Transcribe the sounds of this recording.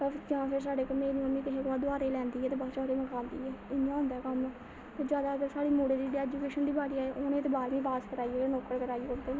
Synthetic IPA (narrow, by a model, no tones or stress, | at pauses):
əd͡ʒãːpʰɪɾs̬aːɖeːkəmẽːnĩəmĩːkəɦeːkaːd̪ʊaːɾeːlɛ̃ːnd̪iːɛːt̪eːbaːt͡ʃaːɾeːməkãːnd̪ḭːɛːɪnːãːõːnd̪aːkəmɛː | t̪eːd͡ʒjaːd̪aːəɡəɾsaːɽiːmoːɽeːd̪iːɖɛːd͡ʒuːkeːʃənd̪iːbaːɽiːaːeːʔonẽːt̪eːbaːɾʋĩːpaːskəɾaːiːenoːkəɽkəɾaːiːeʊnd̪eː